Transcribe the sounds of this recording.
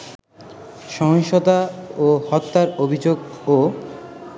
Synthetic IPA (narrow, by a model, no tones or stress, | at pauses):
ʃɔŋʃod̪aohɔt̪ːaɾobʱid͡ʑoɡo